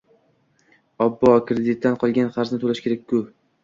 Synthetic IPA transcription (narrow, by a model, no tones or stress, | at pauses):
ɒbːɒkɾed̪ɪt̪ːanqʰɒlˠɡʲanχɑɾznɪt̪ʰolaʃkʲʰe̞ɾak̚ʲkʰːʊ